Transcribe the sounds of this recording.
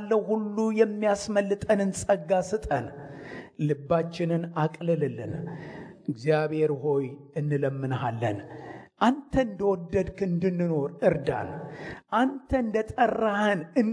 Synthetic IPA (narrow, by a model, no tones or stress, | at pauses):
lːəwhulːujɛmːijasməlːɨt̪ʼənɨnsʼəɡːasɨt̪ʼən | lɨbːat͡ʃːɪnɨnakʼlɨlɨlɨ̰n | ɨɡzijaβhe̞ɾho̞jɨnːɨləmːɨnɦalːə̰nʔant̪ʰəɨnd̪əwɔd̪ːəd̪kʰɨɨnd̪ɨnːɨno̞ɾɨɾd̪a̰nʔant̪ʰənd̪ət̪ʼərːahənɨn